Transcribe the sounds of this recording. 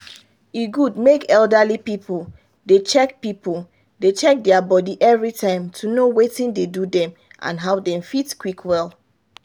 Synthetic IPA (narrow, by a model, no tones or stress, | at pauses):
iɡudmekɛlˠdalipipʰol | det͡ʃɛkpipol | det͡ʃɛk̚dɛabɔdiʔɛvɹitʰãɪ̃mtʰunowetĩndedudɛ̃m | ʔã̰nɦaʊdɛ̃mfitkwikʰwɛlˠ